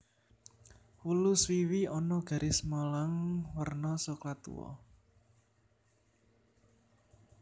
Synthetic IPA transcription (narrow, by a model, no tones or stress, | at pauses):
wuluswiwiɔnɔɡ̥a̤ɾʔismɔlaŋwərnɔsoklat̪ṵwɔ̰